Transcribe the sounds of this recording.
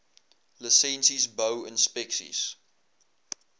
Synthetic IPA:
ləsɛ̃nsizbəʊɪ̰̃nspɛksḭs

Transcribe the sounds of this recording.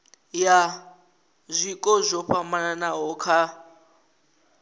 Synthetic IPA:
ja | zʷikʼɔzʷɔɸamananaɦɔkʰa

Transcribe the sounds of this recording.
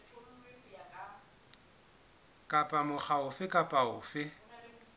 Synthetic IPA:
kʼapʼamʊχaʊfɪkʼapʼaʊːfɪ

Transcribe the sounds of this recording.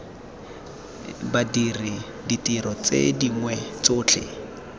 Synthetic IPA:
badiri | ditiɾɔt͡sḛdiŋwɛt͡sʊːt͡ɬʰɪ̰

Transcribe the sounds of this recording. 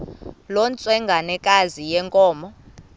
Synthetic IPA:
lɔnt͡sʼwɛŋɡʱanɛkʼazijɛŋkʼɔːmɔ

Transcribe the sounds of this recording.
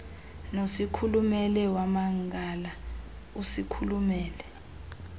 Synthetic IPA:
nosikʰulumɛlɛwamaŋɡʱala | usikʰulumɛːlɛ

